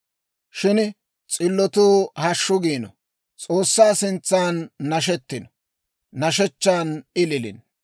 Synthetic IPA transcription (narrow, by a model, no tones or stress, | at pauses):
ʃɪn | t͡sʼɪlːɔt̪uːhɐʃːʊɡiːnɔ̰ | t͡sʼoːsːaːsɪnt͡sːaːnːɐʃ̬ɛt̪ːɪnɔ̥ | nɐʃɛt͡ʃːaːnɪlɪlɪ̰n